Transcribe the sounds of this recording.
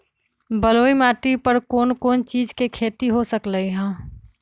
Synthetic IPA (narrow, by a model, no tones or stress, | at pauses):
bəloːimaːʈipəɾkoːnkoːnt͡ʃiːd͡ʒkekʰeːt̪iɦosəkləiɦãː